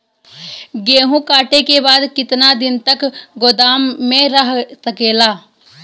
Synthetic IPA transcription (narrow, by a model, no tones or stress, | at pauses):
ɡeːɦũkaːʈekebaːd̪kɪt̪nad̪ɪnt̪ɐkɡoːd̪aːmːẽɾəɦsɐkeːlaː